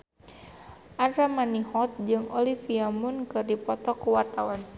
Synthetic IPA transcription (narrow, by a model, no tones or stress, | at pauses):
ʔadɾamanihɔt̪̚d͡ʒɨŋɔlifiamʊnkɨrdipɔt̪ɔkuwart̪awan